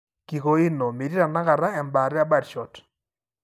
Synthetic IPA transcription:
ki˨ko˨ɪ˦nɔ˨me˨ɾi˦ɾa˨na˦ka˨ɾa˦ɛ˨mba˨ɾɪ˦a˦ba˦˨dʃɔ˨t

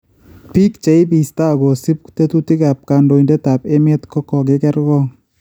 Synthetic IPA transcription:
pi˦kt͡ʃe˨˦i˦bi˨sta˦˨ɡo˨si˦p̚te˦tu˦ti˦ka˨p̚ka˨ndo˨i˨ndɛ˦ta˨pe˦me˦tkɔ˦kɔ˨ke˦kɛ˦ɾɡɔ˦ŋ

